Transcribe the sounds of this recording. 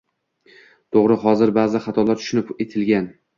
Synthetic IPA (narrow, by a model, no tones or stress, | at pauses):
t̪ʰoʁɾɪɦɒzɪɾbaːzɪχɑt̪ʰɒlˠaɾt̪ʰʊʃʊnɪpet̪ʰɪlɡʲan